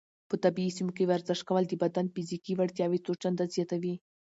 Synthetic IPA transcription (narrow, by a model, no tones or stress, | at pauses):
pət̪abiːsimokewaɾzɪʂkawəld̪əbad̪anfizikiwaɽt̪jɑwit̪ot͡ʃand̪azjɑt̪awi